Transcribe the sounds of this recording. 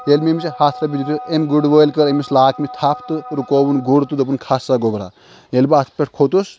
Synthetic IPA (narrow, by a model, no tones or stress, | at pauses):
jelmemt͡ʃehat̪ʰsabid̪ut̪ʰusemɡuɽʋəjlkɐɾemislaːkʰmit̪ʰapʰt̪ɨɾukobunɡuɽt̪ud̪ɐpunkʰasːaɡobɾa̰ | jelbat̪ʰpʲeʈ̚ʰkʰot̪us